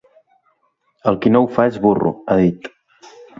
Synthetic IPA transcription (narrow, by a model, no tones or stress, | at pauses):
əlˠkinowfaezβurṵaðit̪